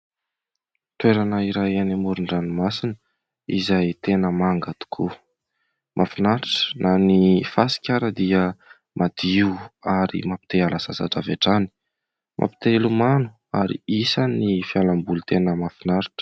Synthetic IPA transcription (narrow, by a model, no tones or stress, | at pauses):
t̪weɾanəiɾajanimuɾuɳɖ͡ʐanumasinə | izajt̪enəmaŋɡat̪u̥kʰṵ | mʔafinaɾiʈ͡ʂə̥nanifasi̥kʲaɾəd̪iə | mʔad̪̥iwaɾḭmapi̥t̪ealasa̰sa̰ʈ͡ʂaveʈ͡ʂani̥ | mʔa̰pi̥t̪elumanu̥ | aɾḭisanifialambulut̪enəmafinaɾiʈ͡ʂə̥